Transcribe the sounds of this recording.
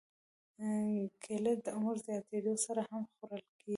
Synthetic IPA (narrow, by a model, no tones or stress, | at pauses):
kʰeləd̪əɾzjɑt̪ed̪osaɾahamxoɾəlke